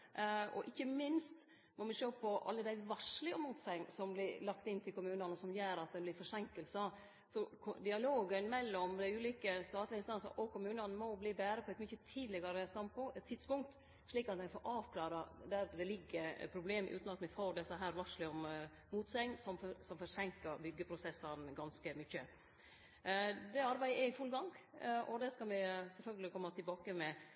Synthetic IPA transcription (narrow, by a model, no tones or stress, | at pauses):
ɔ̰ʔɪçːəmɪnst̪ | nɔmɪʂøːpʰɔʔɑ̰lːəd̪æɪʋɑʂlɪɔmuːt̪sɛɪŋsɔmblɪɾlɑk̚t̪ɪnt̪ʰɪlkʰʊmʉːnɑnəsɔmjøːɾɑt̪̚d̪ɛblɪɾfɔʂɛŋkəlsə | sɔkʰd̪ɪɑloːɡənmɛlːɔmd̪æɪʉːliːkəst̪ɑːt̪lɪəɪnst̪ɑnsə̰ʔɔkʰʊmʉːnɑnəmɔbliːbæːɾəpʰɔɛt̪mʏçət̪ʰiːd̪lɪɡɑɾəst̪ɑmpʰʊt̪ʰːɪd̪spʊŋk̚t̪ | ʂɭiːkɑt̪mɛɪfɔːɾʔɑːʋkʰlɑːɾɑd̪æɾd̪ɛlɪɡːəɾpʰɾʊbleːmʔʉ̰ːt̪nɑt̪mɛfoːɖ̪ɛsːəɦæːɾʋɑʂlɪɔm | muːt̪sɛɪŋsɔmsɔmfɔɾʂɛŋkəɾbʏɡːəpʰɾʊsɛsːɑnɡɑnskəmʏçːə | d̪ɛɑɾbæɪəɛɾɪfʉlɡɑŋʔɔd̪ɛskɑlmɪsɛlfœlɡəlɪkʰɔmːɑt̪ʰɪlbɑːkəmɛ